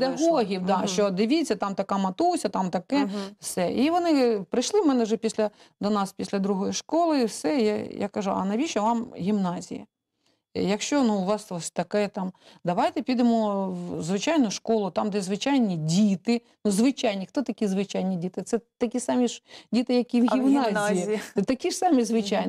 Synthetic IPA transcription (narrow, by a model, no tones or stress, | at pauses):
ped̪ɐɦoɦʲiwd̪ɑʃt͡ʃɔd̪ɪʋʲit͡sʲːɐt̪ɑmt̪ɐkɑmɐt̪usʲɐt̪ɑmt̪ɐkɛwsɛiʋɔnɪpɾɪʃlˠɪmɛnɛʒɛpʲisʲlʲɐ | d̪ɔnɑspʲisʲlʲɐd̪ɾuɦɔjiʃkɔlˠɪwsɛjaja̰kɐʒuɐ̰nɐʋʲiʃɔʋɑmɦʲimnɑzʲḭjɐ̰ | jɐkʃt͡ʃɔnuʊʋɑsɔsʲt̪ɐkɛt̪ɑmd̪ɐʋɑjt̪ɛpʲid̪ɪmɔzʋɪt͡ʃajnʊʃkɔlˠʊt̪ɑmd̪ɛzʋɪt͡ʃajnʲidʲit̪ɪ | nuzʋɪt͡ʃajnʲixt̪ɔt̪ɐkʲizʋɪt͡ʃajnʲidʲit̪ɪt̪sɛt̪ɐkʲisɑmʲidʲit̪ɪjɐkʲiʋɣimnɑzʲjit̪ɐkʲisɑmʲizʋɪt͡ʃajn